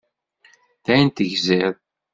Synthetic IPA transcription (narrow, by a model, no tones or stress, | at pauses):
θæjənt̪əʝzɛðˤ